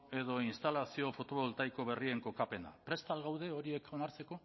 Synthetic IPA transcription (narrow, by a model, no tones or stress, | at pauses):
e̞ðo̞inst̪alasio̞fo̞t̪o̞βolt̪ajko̞β̞e̞rie̞ŋko̞kape̞na̰pɾe̞st̪alɣawðe̞o̞ɾie̞kʰo̞naɾt͡se̞ko̞